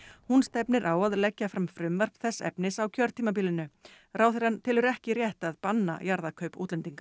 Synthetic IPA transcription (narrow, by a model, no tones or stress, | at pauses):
hunst̪ɛpnɪɾʔaːwaðlɛcːafɾamfɾʏmvɛr̥pθɛsːɛ̰pnɪsawcʰœɾt̪ʰiːmap̬iːlɪnʏ | ɾaːwθɪɾ̥hant̪ʰɪːlʏɾɛhcɪɾjɛht̪aðpanːa̰jaɾðakʰœɥpuːt̪lɛnt̪iŋkḁ